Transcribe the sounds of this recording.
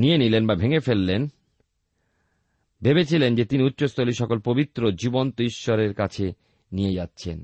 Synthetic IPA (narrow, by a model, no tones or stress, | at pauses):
nijenilenbabʱeŋefelːen | bebet͡ɕʰilend͡ʑet̪iniutːɕost̪ʰoliʃɔkolpobit̪ːɾod͡ʑibont̪oiʃːoɾeɾkat͡ɕʰe | nijed͡ʑatːɕʰḛn